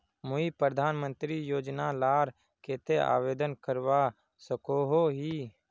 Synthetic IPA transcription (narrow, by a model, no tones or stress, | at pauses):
mʊipɾəd̪ʱaːnmə̃nt̪ɾijoːd͡ʒnalaːɾ | keːt̪ea̰ːʋeːd̪ənkəɾʋaː | səkoːɦoːɦiː